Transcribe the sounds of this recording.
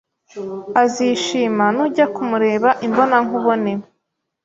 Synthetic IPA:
aziʃiːmanuɟakumuɾe̞ːβaʔimbo̞naŋuβo̞nem

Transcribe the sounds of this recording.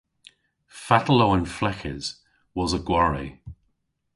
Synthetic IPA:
fatəloʊə̃nflɛkʰɪ̰z̥ | wɒzəɡwaɹḭ

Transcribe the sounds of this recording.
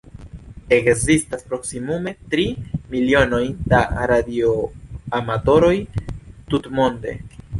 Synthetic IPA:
e̞kzistaspɾo̞ksimume̞tɾimilio̞no̞jda̰ɾadioamato̞ɾo̞jtutmo̞nde̞̰

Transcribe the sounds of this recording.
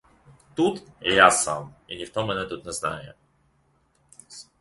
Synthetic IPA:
t̪ut̪ɛjasa̰minʲift̪ɔmːɛnɛt̪ut̪nɛzna̰jɛ̰

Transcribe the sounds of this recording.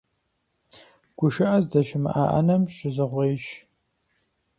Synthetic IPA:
ɡ̥ʷʊʃɨʔɐzdɐʃɪmɨ̰ʔa̰ːʔɐ̰nɐmʃɪzɨʁʷeːʃ

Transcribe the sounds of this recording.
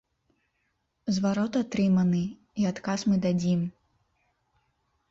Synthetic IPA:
zvaɾɔt̪at̪ɾɨmɐnɨ | iat̪kasmɨd̪ad͡zʲim

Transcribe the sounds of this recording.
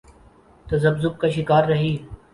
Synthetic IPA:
t̪ɐzɐbzʊp̚kaːʃ̬ɪkaːɾːɐɦiː

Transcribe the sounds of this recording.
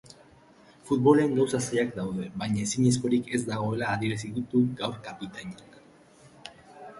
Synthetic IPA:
fut̪βo̞le̞ŋɡawsasaʎakd̪awðe̞βajɲaesiɲisko̞ɾike̞zd̪aɣ̞o̞e̞laːðieɾas̬iðut̪uɡawɾkapit̪aɲiak

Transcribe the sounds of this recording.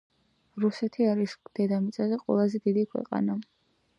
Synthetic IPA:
ɾusɛt̪ʰiaɾisd̪̥ɛd̪amit̪sʼazɛqʼwɛ̰lˠazɛd̪id̪ikʰwɛ̰qʼa̰na

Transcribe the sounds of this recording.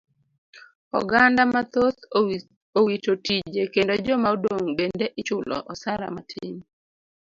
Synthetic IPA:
ɔ̰ɡandamat̪ot | owitotid͡ʒekendod͡ʒɔmaodoŋbendeʔɪt͡ʃʊlɔ̰ʔɔsaɾa̰matʰɪ̰m

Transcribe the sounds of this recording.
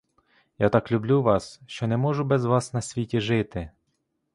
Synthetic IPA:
jat̪ɑklʲʊblʲuʋɑsʃt͡ʃɔnɛmɔʒʊbɛzʋɑsnɐsʲʋʲitʲiʒɪt̪ɪ

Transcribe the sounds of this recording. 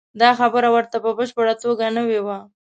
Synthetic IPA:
d̪ɑxabəɾawəɾt̪apəbəʃpəɽat͡soɡanəwewa

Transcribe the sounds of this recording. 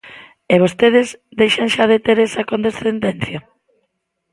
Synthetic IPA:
eβ̞ost̪eð̞ɪzd̪ejʃɐŋʃaðet̪eɾesɐkond̪esθend̪ɛn̟θjɐ

